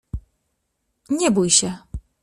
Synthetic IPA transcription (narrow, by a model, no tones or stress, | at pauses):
ɲɛbujɕɛ